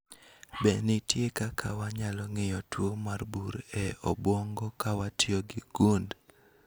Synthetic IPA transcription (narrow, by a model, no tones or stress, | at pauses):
bɛnɪtjekakʰawaɲalɔŋɪjɔtwomarbuɾɛɔ̰bwɔŋɡɔkawatioɡɪɡ̥und